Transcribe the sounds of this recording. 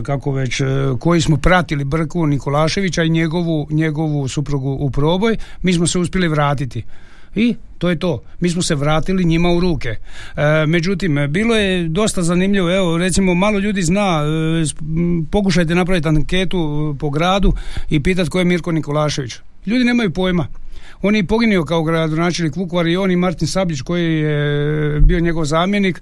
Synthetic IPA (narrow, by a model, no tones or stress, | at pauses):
kako̞ʋe̞t͡ɕko̞jismopɾat̪ilibr̩kuniko̞laːʃe̞ʋit͡ɕaiɲe̞ɡo̞ʋuɲe̞ɡo̞ʋusupɾuɡuʔːpɾo̞ːbo̞jmiːs̬mose̞uspje̞liʋɾaːt̪it̪i | it̪oːjet̪o̞ːmiːs̬mose̞ʋɾaːt̪iliɲimauɾuːke̞ | me̞d͡ʑut̪imbiːlo̞je̞d̪o̞st̪azanimʎiʋoeoɾe̞t̪simo̞maːlo̞ʎuːd̪iznaː | po̞k̬uʃ̬ajt̪̬enap̬ɾaʋit̪ake̞ːt̪upo̞ɡɾaːd̪uipiːt̪̬at̪ko̞jemiɾko̞niko̞laːʃe̞ʋit͡ʃ | ʎuːd̪ine̞ːmajupo̞ːjma | o̞ːnjepo̞ɡinio̞kaoɡɾad̪onaːt͡ʃelnikʋukʋaɾioːnimaɾt̪insabʎit͡ʃko̞jijebioɲe̞ɡo̞ʋzaːmje̞nik